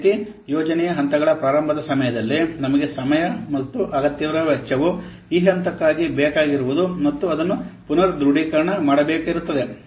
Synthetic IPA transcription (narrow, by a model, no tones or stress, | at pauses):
t̪i | jɔːd͡ʒɐnɛjɐɦɐnt̪ɐɡɐɭɐpɾaːɾɐmbʱɐd̪ɐsɐmɐjɐd̪ɐlːinɐmɐɡe̞sɐmɐjɐmɐt̪ːuʔɐɡɐt̪jɐʋɐɾɐʋɛt͡ʃːɐʋu | iːɦɐnt̪ɐkːaːɡibeːkaːɡiɾuʋud̪umɐt̪ːuɐd̪ɐnːupunɐɾd̪ɾuɽiːkɐɾɐɳɐmaːɽɐbeːkiɾut̪ːɐd̪e̞